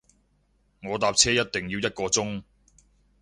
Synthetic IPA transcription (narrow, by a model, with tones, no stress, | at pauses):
ŋɔː˨˧t̪aː˧p̚t͡sʰɛː˥jɐ˥t̚t̪ɪ˨˩ŋjiː˨˧wjɐ˥t̚kɔː˧t͡sʊ˥ŋ